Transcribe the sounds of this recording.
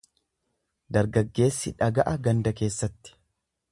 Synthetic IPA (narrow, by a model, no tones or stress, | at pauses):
d̪ɐɾɡɐɡːe̞ːsːɪᶑɐɡɐʔɐɡɐnd̪ɐke̞ːsːɐt̪ːɪ̥